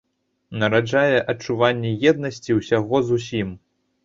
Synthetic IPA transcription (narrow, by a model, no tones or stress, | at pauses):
nɐɾad͡ʐajɛʔɐt͡ʂuvanʲːɛjɛd̪nɐsʲt͡sʲiwsʲaɣɔzus̬ʲim